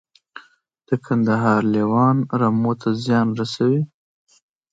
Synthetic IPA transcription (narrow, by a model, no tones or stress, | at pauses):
d̪̥əkʰand̪aɦɑɾlewɑnɾamot̪ʰazjɑnɾasawi